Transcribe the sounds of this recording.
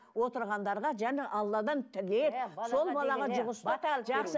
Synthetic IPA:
wo̞t̪əɾʁɑnd̪ɑɾʁɑʒæneʔɑlˠːɑd̪ɑnt̪ʰɪlepso̞lˠbɑlˠɑʁɑʒʊʁəst̪ɑʒɑqs

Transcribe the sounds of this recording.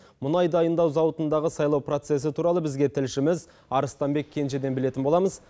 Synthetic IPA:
mʊnɑjd̪ɑjənd̪ɑwzɑwət̪ənd̪ɑʁəsɑjlˠɑwpro̞t̪se̞s̬ɪt̪ʰuɾɑlˠəbɪzɡʲe̞t̪ʰɪlʃɪmɪz | ɑɾəst̪ɑmbe̞kʲʰːe̞nʃe̞d̪e̞nbɪle̞t̪ɪnbo̞lˠɑməz

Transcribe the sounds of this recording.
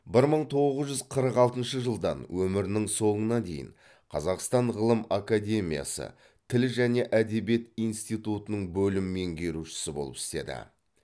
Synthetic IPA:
bɪɾməɴt̪ʰo̞ʁʁəzʒʏzqʰəɾəqɑlˠt̪ənʃəʒəlˠd̪ɑ̰nwɵmɪɾɪnɪŋso̞ɴənɑd̪ejɪ̰ɴ | qʰɑzɑqst̪ɑɴʁəlˠəmakad̪ʲe̞mija̰sə̰ | t̪ʰɪlʒæne̞ʔæd̪e̞bje̞t̪ijnst̪ijt̪ut̪ənəɴbɵlɪmme̞ŋɡʲe̞ɾuʃɪ̥sɪbo̞̰əpɪ̥st̪e̞̰d̪ɪ̰

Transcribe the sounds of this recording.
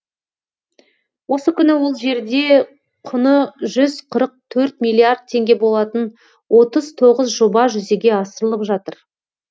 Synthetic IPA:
wo̞səkʲʰʏnɪwo̞lˠʒe̞ɾd̪e̞ | qʰʊnəʒʏzqʰəɾəq̚t̪ʰɵɾt̪̚milʲːˠiard̪̚t̪ʰːe̞ŋɡʲe̞bo̞lˠɑt̪ən | wʔo̞t̪əz̥t̪ʰo̞ʁəzʒo̞bɑʒʏze̞ɡʲe̞ɑsəɾəlˠəpʒɑt̪əɾ

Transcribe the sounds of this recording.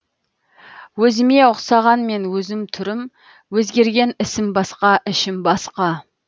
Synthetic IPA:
wɵzɪme̞ʊqsɑʁɑnme̞nwɵzɪmt̪ʰʏɾɪm | wɵzɡʲe̞ɾɡʲe̞nɪsɪmbɑsqɑʔɪʃɪmbɑsqɑ

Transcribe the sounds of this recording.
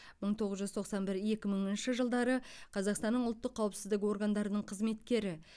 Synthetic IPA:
məɴt̪ʰo̞ʁəzʒʏzt̪ʰo̞qsɑnbɪɾe̞kʲɪməɴɪnʃɪʒəlˠd̪ɑɾəqʰɑzɑqst̪ɑnːəɴʊlˠt̪ːəqʰːɑwəpsɪzd̪ɪko̞rɡand̪ɑɾənəɴqʰəzme̞t̪kʲe̞ɾɪ

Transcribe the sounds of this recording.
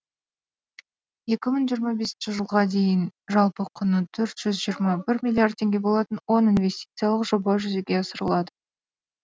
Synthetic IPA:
je̞kʲɪməɴʒijəɾmɑbe̞sɪnʃɪʒəlˠʁɑd̪e̞jɪnʒɑlˠpəqʰʊnət̪ʰɵɾt̪ʒ̥ʏzʒijəɾmɑbɪɾmʲilʲˠijard̪̚t̪ʰːe̞ŋɡʲe̞bo̞lˠɑt̪ənwo̞ninve̞st̪ʲi̥t̪sɨijalˠəqʒo̞bɑʒʏze̞ɡʲe̞ɑsəɾə̰lˠɑd̪ə

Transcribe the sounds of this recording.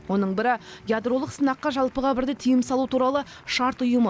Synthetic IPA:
wo̞nəɴbɪɾɪjad̪ɾo̞lˠəqsənɑqːɑʒɑlˠpəʁɑbɪɾd̪et̪ʰijəmsɑlˠut̪ʰuɾɑlˠə | ʃɑɾt̪ʊjəmə

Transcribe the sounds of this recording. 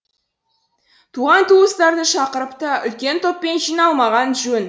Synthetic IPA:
t̪ʰuʁɑnt̪ʰuəst̪ɑɾd̪əʃɑqəɾəpt̪əʏlkʲe̞nt̪ʰo̞pːe̞nʒijnɑlˠmɑʁɑnʒɵn

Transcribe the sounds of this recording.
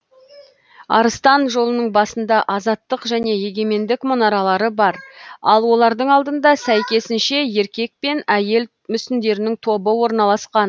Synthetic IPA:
ɑ̰ɾəst̪ɑnʒo̞lˠənəɴbɑsənd̪ɑʔɑzɑt̪ːəqʒæne̞je̞ɡʲe̞me̞nd̪ɪkmonɑɾɑlˠɑɾəbɑɾɑlˠwo̞lˠɑɾd̪əɴɑlˠd̪ənd̪ɑsæjkʲe̞sɪnʃe̞je̞ɾkʲe̞k̚pe̞næje̞l | mʏsɪnd̪e̞ɾɪnɪŋt̪ʰo̞bəwo̞ɾnɑlˠɑsqɑn

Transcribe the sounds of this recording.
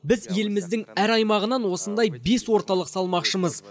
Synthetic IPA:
bɪzje̞lɪmɪzd̪ɪŋæɾɑjmɑʁənɑnwo̞sənd̪ɑjbe̞swo̞ɾt̪ɑlˠəqsɑlˠmɑqʃəməz

